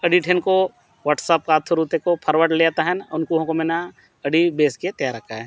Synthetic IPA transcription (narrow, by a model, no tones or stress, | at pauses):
ɐɖiʈʰenko | ʋaːʈsəp̚kaːt̪ʰuɾut̪ekopʰɐɾʋəʈleːt̪aɦɛ̃nʊnkuɦõkomena | ɐɖibeːsket̪ɐjaɾɐk̚t̪aɦɛ̃ː